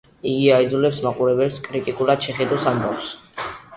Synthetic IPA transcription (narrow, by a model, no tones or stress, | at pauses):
iɡiaid̪zulɛpsmaqʼuɾɛbɛlskʼɾit̪ʼikʼulad̪̥ʃɛχɛd̪ɔsamba̰fs